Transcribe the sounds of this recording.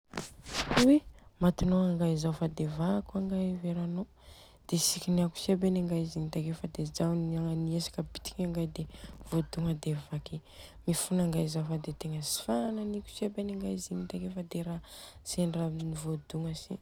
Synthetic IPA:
uwemat̪inoaŋɡaizawfad̪evakaŋɡaveɾano | d̪̥esikʲiniaku̥sebenaŋɡaizinit̪akefad̪ezawnaniesḁkəbi̥t̪i̥kʲaŋɡajd̪ev̥od̪uŋəd̪evaki | mifunaŋɡaizawfad̪et̪eŋəsi̥fananikʲu̥sebeniŋɡaizinit̪akefad̪eɾaseɳranivod̪uŋəsḭ

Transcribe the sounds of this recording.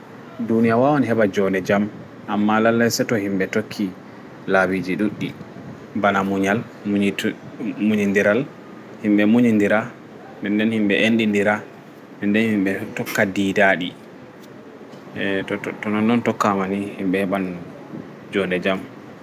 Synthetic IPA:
dunijawawɔniɦɛɓad͡ʒɔndɛd͡ʒam | ʔamːalalːajsɛtɔhimbɛtokʰːi | lawid͡ʒiɗuɗːḭ | banamuɲal | muɲindiɾal | himɓɛmuɲindiɾa | nɛndɛnhimɓɛʔenɗindiɾa | nɛndɛnhimbɛtɔkːadiːdaɗi | ttɔnɔnːɔntɔkːamanihimɓɛhɛɓan | d͡ʒɔndɛd͡ʒam

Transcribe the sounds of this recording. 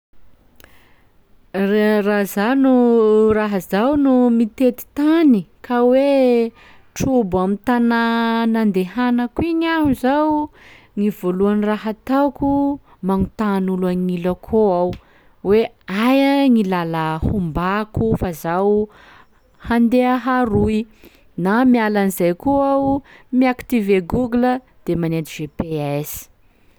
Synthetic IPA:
razanuraɦazawnumit̪et̪i̥t̪anikʰawe | ʈ͡ʂubamit̪ananand̪eɦanəkwiɲaɦuzaw | ŋivoluaniraɦat̪awku | maŋut̪anulaŋiləkʰoaw | we | ajaŋilaləhumbakufazaw | hand̪eaɦaɾui | namialanizajkoawmiakt̪iveɡuɡlə | d̪̥emanet̪iv̥epeaz̥i̥

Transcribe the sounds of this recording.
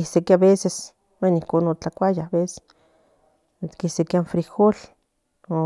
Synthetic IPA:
ihsekaβeses | wenihkonot͡ɬakʷajaβese̥ | t̪kihsekianfɾixol | o

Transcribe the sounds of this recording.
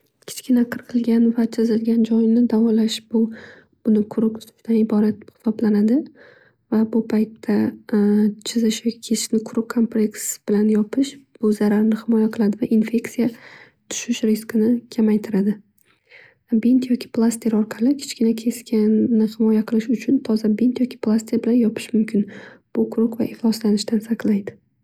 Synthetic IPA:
kʲʰɪ̥t͡ʃkʲɪnaqʰɨɾqʰɨlˠɡʲanvat͡ʃʰɪzɪlɡʲand͡ʒɒjnɪd̪avɒlaʃbʊ | b̥ʊnɪkʰʊɾʊkt̪ʰʊ̥t̪ʰʊ̥ʃt̪ʰanɪbɒɾat̪̚χɪ̥sɒblanad̪ɪ | vabʊpʰajt̪ʰːa | t͡ʃʰɪzɪʃjɒkʲʰɪ̥kʲʰe̞sʰɪ̥ʃnɪkʰʊɾʊkʰːompleksb̥ɪlanjɒpʰɪʃb̥ʊzaɾaɾnɪhɪmɒjaqʰɨlˠad̪ɪvaʔinfʲe̞ktsija | t̪ʰʊ̥ʃɪʃɾɪskɨnɪkʲʰamajt̪ʰɪɾad̪ɪ | bent̪ʰjɒkʲʰɪ̥plˠast̪ɪɾɒɾqʰɑlɪkʲʰe̥t͡ʃkʲɪnakʲʰe̞skʲʰanːɪhɪmɒjaqʰɨlˠɪʃʊt͡ʃʰʊnt̪ʰɒzabent̪jɒkʲʰɪ̥plˠast̪ʰɪɾbɪlanjɒpʰɪ̥ʃmʊmkʲʰɪnb̥ʊkʰʊɾʊkva̰ʔɪχlˠɒslanɪʃt̪ansaqlˠajd̪ɪ

